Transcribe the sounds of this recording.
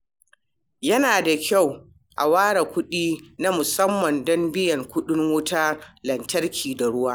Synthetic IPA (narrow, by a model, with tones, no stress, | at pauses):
jɐ˦naː˨da˨kʲa˦˨w | ʔa̰˨waː˦ɽa˨kʷʊ˦ɗiː˦na˦mʊ˨sɐ˦mːɐ˨ndɔ˦mbɪ˦jɐ˨ŋkʷʊ˦ɗɪ˦ŋwʊː˦taː˦lɐ˨ntɐ˦rkʲʰiː˨da˨ɽʊ˦waː˦